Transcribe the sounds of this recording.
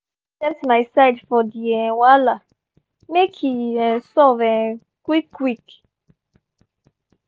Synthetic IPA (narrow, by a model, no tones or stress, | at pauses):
tɛ̃msmajsajdfɔd̪iɛ̃wala | mekʰiɛ̃nsɔvɛ̃ | kwikʰːwik